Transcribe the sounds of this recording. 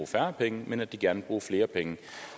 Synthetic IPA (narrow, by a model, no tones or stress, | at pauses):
uːfæɐpʰeŋəmenæd̥iɡ̥æɐnəb̥ʁuːɐfle̝ːɐpʰeŋə